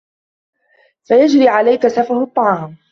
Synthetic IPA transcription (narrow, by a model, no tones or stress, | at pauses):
fajad͡ʒɾiːʕalajkasafʊhʊt̪ˤːɑʕɑːm